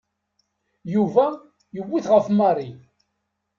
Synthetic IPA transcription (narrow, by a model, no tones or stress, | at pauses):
juvæ | jəwːiθʁəfmɑrˤi